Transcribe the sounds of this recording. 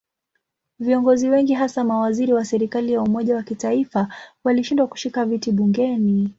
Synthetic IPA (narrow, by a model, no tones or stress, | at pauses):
viɔŋɡɔziwɛŋɡiɦasamawaziɾiwasɛɾikalijaumɔʄawakitaifawaliʃindwaku̥ʃikavitiɓuŋɡɛni